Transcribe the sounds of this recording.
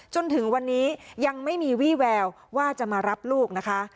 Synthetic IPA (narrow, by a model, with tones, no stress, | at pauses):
t͡ɕo˧nt̪ʰɯ˩˦ŋwa˧nːiː˦˥ja˧ŋma˥˩jmiː˧wiː˥˩wɛː˧w | waː˥˩t͡ɕa˨˩ʔmaː˧ɾa˦˥p̚luː˥˩k̚na˦˥kʰa˦˥